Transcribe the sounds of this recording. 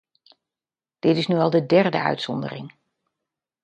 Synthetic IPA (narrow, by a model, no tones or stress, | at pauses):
d̥ɪtɪsnyɑlˠdədɛrdə̰œ̰ɥtsɔndə̰rɪ̰ŋ